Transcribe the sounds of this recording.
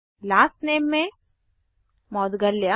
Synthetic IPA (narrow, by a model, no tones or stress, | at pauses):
laːsʈneːmːẽ | mɔːd̪ɡɐlːja